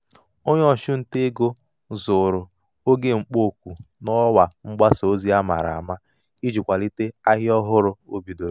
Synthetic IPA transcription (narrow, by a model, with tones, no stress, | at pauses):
o˦ɲ˦ɔ˨ʃʊ˦n̩˨te˦ɡo˦ | zʊ˨ɾʊ˨ | o˦ɡe˦ŋ͡m̩˨k͡po˦˨kʷu˨nɔ˦wa˨ŋ͡m̩˦ɡ͡ba˦so˨o˦zi˦a˦ma̰˨ɾa̰˨a˨ma˦ | i˦d͡ʒu˨kʷa˨li˦te˦a˦ɦɪ˦ɔ˦ɦʊ˦ɾʊ˨o˦bi˨do˨ɾ